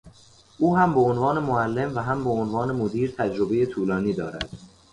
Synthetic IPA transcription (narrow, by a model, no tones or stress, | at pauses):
ʔuːɦæmbeonvɒːne̞moælːe̞mvæɦæmbeonvɒːne̞mod̪iːɾt̪ʰæd͡ʒɾo̞be̞jet̪ʰuːlɒːniːd̪ɒːɾæ̰d̪̥